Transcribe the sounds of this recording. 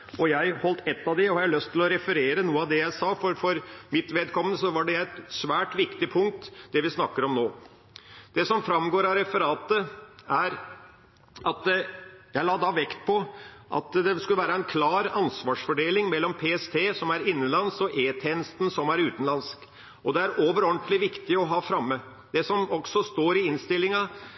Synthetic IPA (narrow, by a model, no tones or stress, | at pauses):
ɔjæɪhɔlt̪ʰɛt̪ːɑʋd̪ɛɔhɑɾjælœst̪ʰːɪlɔɾɛfəɾeːɾənuːəɑd̪ɛjæɪsɑːfɔɾfɔɾmɪt̪ʋɛd̪kʰɔmənsɔʋɑɖɛjæɪɛt̪sʋæːʈʋɪkt̪ɪpʰʊŋk̚t̪d̪ɛʋɪsnɑkːəɾɔmnoː | d̪̥ɛsɔmfɾɑmɡoːɾɑɾɛfəɾɑːt̪əæɾ | ʔɑt̪jæɪlɑːd̪ɑʋɛkt̪̚pʰɔʔɑ̰t̪d̪ɛskʉləʋæːɾəɛnkʰlɑːɾɑnsʋɑːʂfɔɖeːlɪŋmɛlːɔmpʰeːɛst̪ʰeːsɔmæɾɪnːənlɑnsɔʔeːt̪ʰeːnəst̪n̩sɔmæɾʉːt̪ən̩lɑnsk | ʔɔd̪ɛæɾoːʋəɾɔɳt̪lɪʋɪkt̪ɪɔɦɑːfɾɑmːə | d̪̥ɛsɔmɔɡ̥sɔst̪oːɾɪɪnst̪ɪlːɪŋɑ